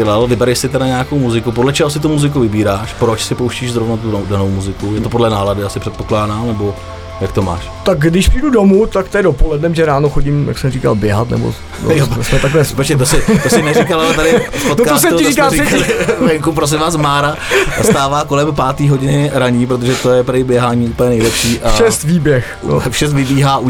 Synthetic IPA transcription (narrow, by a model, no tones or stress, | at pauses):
ɛlalvɪbɛɾɛʃsɪt̪ɛdaɲɛakowmuzɪkupodlɛt͡ʃɛɦos̬ɪt̪umuzɪkuvɪbiːɾaːʃpɾot͡ʃsɪpowʃciːʒzɾovnat̪udanowmuzɪkujɛt̪opo̞dlɛnaːladɪasɪpr̥ɛt̪poklaːdaːmnɛbo̞ | jak̚t̪oma̰ːʃt̪akɡdɪʃpriːdudomut̪akt̪aɪdopolɛdnɛmʒɛɾaːnoxo̞ɟimja̰ksɛmriːka̰lbjɛɦat̪nɛ̰bo̰ | josmɛt̪aklɛspɛt͡ʃɲɛt̪osɪt̪osɪmnɛɾikalalɛt̪aɾɪfpotnokaos̬ɛɪiːkaːɛɪvɛŋkupɾos̬ɪmvaːsmaːɾast̪aːvaːkolɛmpaːt̪iːɦoɟɪnɪɾaɲiːpɾot̪oʒɛt̪ojɛpɾjbjɛɦaːɲiːuːpəlɲɛnɛjlɛpʃiːʔafʃɛst̪viːbjɛx | o̰fʃɛst̪vɪbiːɦaːʔu